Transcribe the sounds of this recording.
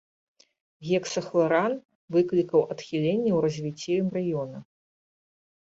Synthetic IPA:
ɣʲɛksɐxlˠɐɾan | vɨklʲikɐwɐt̪xʲilʲenʲːɛwɾɐzʲvʲit͡sʲːimrajɔnɐ

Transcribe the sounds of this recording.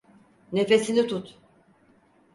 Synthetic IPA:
nefe̞sinit̪ʰut̪

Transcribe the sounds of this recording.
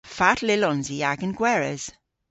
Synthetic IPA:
fatʰlɪlɔnziaɡənɡwɛɹəz̥

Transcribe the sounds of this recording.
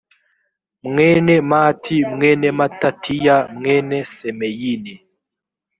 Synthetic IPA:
mŋɛnɛmatʰimŋɛːnɛmatatʰijamŋɛːnɛsɛmɛjinɛ

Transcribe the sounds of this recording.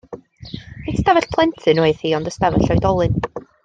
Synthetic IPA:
istavɛɬpʰlˠɛntʰɨnweɨð̥hiːɔndəstavɛɬɔɨdɔlˠɨn

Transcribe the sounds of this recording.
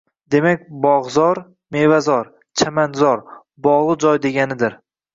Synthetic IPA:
d̪e̞makʲbɒʁzɒɾ | me̞vazɒɾ | t͡ʃʰamanzɒɾ | bɒʁlˠɨd͡ʒɒjd̪e̞ɡʲanɪd̪ɪɾ

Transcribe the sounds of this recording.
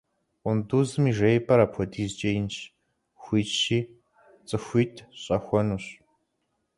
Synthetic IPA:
ʊnduːzɨmiːʒejpʰʼɐɾapʰɔdiːzt͡ʃʼɐjɪnʃ | xʷiːʃiː | t͡sʼɨxʷiːtʰɕʼɐxʷɔnuːɕ

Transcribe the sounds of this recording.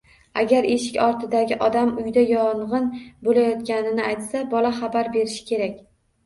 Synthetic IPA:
a̰ɡʲaɾe̞ʃɪkʲɒɾt̪ʰɪd̪aɡʲɪʔɒd̪amʊjd̪ajɒɴʁɨnbolajɒt̪kʲanɪnɪajt̪sabɒlaχabaɾbe̞ɾɪʃɪ̥kʲʰe̞ɾakʲ

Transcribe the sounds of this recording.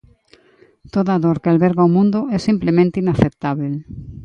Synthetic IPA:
t̪oðaðoɾkealβeɾɣawmũnd̪oɛsimplemẽnt̪einaθep̚t̪aβel

